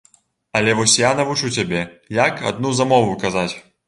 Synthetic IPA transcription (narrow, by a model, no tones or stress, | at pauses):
ɐlʲɛvɔsʲjanɐvut͡ʂut͡sʲabʲɛjaka̰d̪̚nuzamɔvukazat͡sʲ